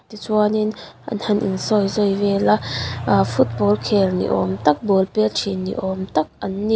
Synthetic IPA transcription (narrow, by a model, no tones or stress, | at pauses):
t̪it͡swaninʔɐ̰nhɐnʔḭnsɔjzɔjvɛlɐfʰut̪̚bɔlkʰɛlnḭʔɔ̰mt̪ɐk̚bolpɛt͡ʃʰinːḭʔɔmt̪ɐk̚ɐnːi